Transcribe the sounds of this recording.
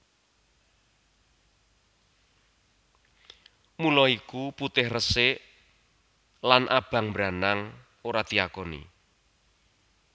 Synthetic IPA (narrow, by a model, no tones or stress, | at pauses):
mulɔikuput̪ɪhrəsɪʔ | lanʔa̰b̥a̤ŋbɾanaŋ | oɾad̪̥i̤akɔnḭ